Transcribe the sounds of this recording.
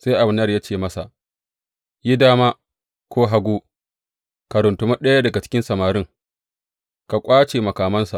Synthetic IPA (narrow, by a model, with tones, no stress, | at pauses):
sa˦jʔa˨bɪ˨˦nː˦˨jaː˦t͡ʃeː˦˨mɐ˦sa˨ʔ | ji˦daː˦maː˦ | kʷoː˦ɦa˦ɡʷuː˦ | ka˨ɾʊ˨ntʊ˨˦ma˦ɗɐ˦ja˦dɐ˨ɡa˨t͡ʃɪ̥˦kʲɪ˦nsɐ˨maː˨ɾɪ˦ŋ | ka˨kʷʼaː˦t͡ʃeː˨mɐ˨kaː˨mɐ˦nsa˨ʔ